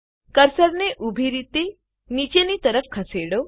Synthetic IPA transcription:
kəɾsəɾneʔubʱiɾit̪e | nit͡ʃenit̪əɾəfkʰəseɽo

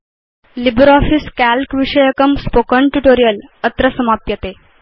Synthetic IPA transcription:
libɾɔfiskælkʋiʂəjəkəmspokəɳʈuʈoɾijələt̪ɾəsəmapjət̪e

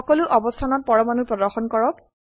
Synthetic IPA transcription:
ɔkɔluʔɔbɔstʰanɔt̚pɔɹɔmanupɹɔdɔɹxɔnkɔɹɔp̚

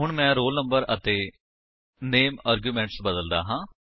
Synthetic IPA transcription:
ɦʊɳ̃mɛ̃ːɾoːlnəmbəɾət̪eː | neːmaːɾɡjuːmɛ̃ːɳʈsbəd̪əld̪a̰ːɦãː

